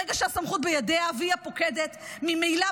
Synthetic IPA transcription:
eɡaʃeasamχut̪̚bejad̪eaviapoked̪et̪mimejla

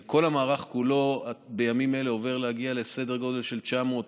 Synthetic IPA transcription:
kʰo̞lhamaːʁaχkulo̞abe̞jamime̞leo̞ve̞ʁleaɡiale̞se̞de̞ʁɡo̞de̞lʃe̞lt͡ʃamo̞t̪

